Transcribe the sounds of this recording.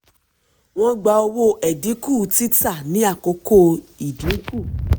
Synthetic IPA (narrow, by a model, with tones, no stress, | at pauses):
w̃ɔ̃˦ɡ͡ba˧o˧wo˦ʔɛ˨dĩ˨˦ku˦˨˦ti˦ta˦˨nĩ˨˦a˦˨ko˨˧˦ko˦i˨dũ˨˦ku˦˨